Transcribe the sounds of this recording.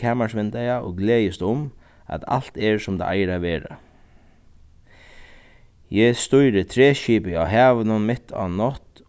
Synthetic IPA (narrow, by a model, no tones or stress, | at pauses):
æːmaʂʋɪnd̪ajao̰ːɡleːjəst̪ʊm | a̰t̪a̰l̥t̪ɛɹsʊmd̪a̰ʔa̰ɪɾaʋeːɾa̰ | jɛst̪ɔjɾət̪ʰɾeːʃiːpəa̰ːɦæːʋənənmɪt̪ʰa̰nɔt̪